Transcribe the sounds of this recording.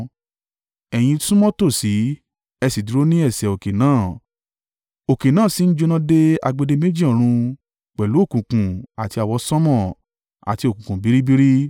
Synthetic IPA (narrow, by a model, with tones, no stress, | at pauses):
ɛ˨j̃ĩ˧tũ˦mɔ̃˦to˦˨si˨˦ | ɛ˧si˨du˨ɾo˦nĩ˦ɛ˦˨sɛ˨o˨ke˨nãː˦˨ | o˨ke˨nãː˦˨si˨˦n̩˦d͡ʒo˧nã˦de˦a˧ɡ͡be˧de˧me˦d͡ʒi˦ɔ̃˦˨ɾ̃ũ˧ | k͡pɛ˨lu˨˦o˦˨kũ˨kũ˨a˨ti˧a˨wɔ˧sɔ̃˦mɔ̃˦˨ | a̰˨ti˧o˨kũ˨kũ˨bi˨˦ɾi˦bi˦ɾi˦